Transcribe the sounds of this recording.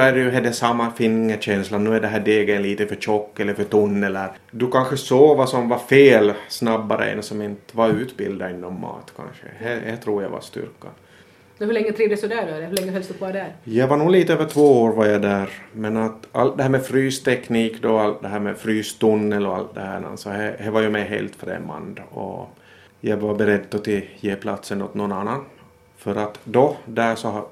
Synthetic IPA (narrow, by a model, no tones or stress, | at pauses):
ɵædjɵɦɛd̪ːɛsamːɑfɪŋːəɕɛnslannːʉːæɖɛɦæːɖeːɡənliːt̪əfœt͡ʃɔkːɛlːəɾfœʈ̪ʊnːɛləɾ | d̪ɵkanɧəsoːvasɔmvɑfeːlsnɑbːaɾə̰ɛ̰nsɔmɪnt̪vɑɾʉːt̪bɪ̰ld̪ɑɪnːɔmːɑ̰ːt̪kʰa̰nʂə̰hɛɛ̰t̪ʰɾuːɾja̰va̰st̪ʏ̰ɾkːa̰ | ɛhɵɭɛŋːət̪ʰɾiːvd̪ɛsɔd̪æːɖɔɛlɛhɵlɛŋːəfɛlst̪upɔɾd̪æɾjɑɡvaɾɳuːliːt̪əøːvəʈʰvoːoːɾvaɾjad̪æːɾmɛnat̪a̰lt̪̚d̪ɛhæːɾmɛfɾyːst̪ʰɛkniːkd̪ɔalt̪̚d̪ɛɦæːɾmɛfɾyːst̪ʊnːəlɔa̰lt̪̚d̪ɛhæ̰ːna̰sɔhɛhævajɵmɛjɦḛːlt̪fɾɛ̰mːa̰nd̪ɔ̰ | jɑɡvabɛɾɛd̪ːɔt̪ɪjeːpʰlat̪sənɔt̪nɔnanːan | fœɾat̪d̪ɔd̪æːʂɔh